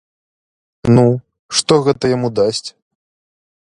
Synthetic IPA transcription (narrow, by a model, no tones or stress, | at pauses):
nu | ʂt̪ɔɣɛt̪ɐjamud̪asʲt͡sʲ